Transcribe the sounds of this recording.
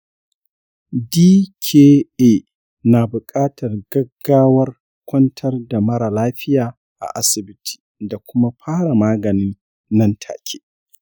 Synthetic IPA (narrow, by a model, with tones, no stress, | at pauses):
diː˦kʲʰeː˦eː˦ | naː˨bʊ˨kʼaː˦tʰɐ˨rɡɐ˦ɡːaː˦wɐ˦r | kʷʰɔ˦ntʰɐ˦rda˨mɐ˦ɾa˨laː˦ɸɪ˦jaː˨ | ʔa̰˨ʔa˦sɪ˨bɪ˦tʰi̥˨da˨kʷʊ˦ma˦ɸʰaː˦ɽa˨maː˦ɡɐ˨niː˦ | nɐ˦ntʰa̰ː˨kʲʰeː˦